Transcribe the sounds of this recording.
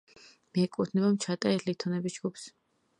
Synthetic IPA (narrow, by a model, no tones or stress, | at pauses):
mɛɛkʼut̪ʰnɛbamt͡ʃʰat̪ʼaɛɾʰlit̪ʰɔnɛbisd͡ʒɡups